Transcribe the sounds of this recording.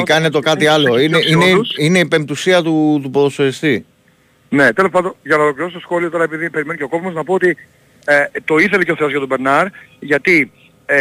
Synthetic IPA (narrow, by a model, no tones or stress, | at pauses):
kɐnet̪o̞kɐt̪iɐlo̞ineʔine̞ine̞ipe̞mt̪usiɐt̪ut̪upoðosoɾist̪i | ne̞t̪elospɐnd̪onʝɐnɐolokliɾo̞st̪sxo̞lioo̞ɾɐe̞piðipe̞ɾimeniceoko̞pimoznɐpo̞ot̪i | t̪o̞iθe̞leceoθe̞ozʝɐt̪obeɾnɐɾʝɐt̪i